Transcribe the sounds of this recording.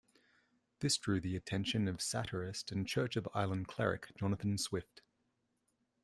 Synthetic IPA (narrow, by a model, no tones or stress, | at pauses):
ðɪsd̥ɹʉːðiɨtʰɛ̃nʃə̃nəv̥sa̰ɾʰəɹɪstə̃nt͡ʃʰɜˑt͡ʃəva̰ɪlˠə̃nkʰl̥ɛ̰ɹɪ̰kd̥ʒ̥ɒnəθə̃nswɪft